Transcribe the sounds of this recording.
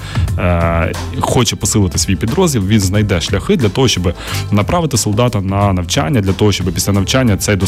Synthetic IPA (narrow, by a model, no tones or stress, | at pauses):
xɔt͡ʃɛpɔsɪlˠɪt̪ɪ̥sʲʋʲijpʲid̪ɾɔzʲlʲilˠʋʲinznɐjd̪ɛʃlʲɐxɪd̪lʲɐt̪ɔɦɔʃt͡ʃɔbɨ | nɐpɾɑʋɪt̪ɪsɔlˠd̪ɑt̪ɐnɐnɐwt͡ʃa̰nʲːɐd̪lʲɐt̪ɔɦɔʃt͡ʃɔbɪpʲi̥sʲɐnɐwt͡ʃanʲːɐt̪sɛjd̪ɔ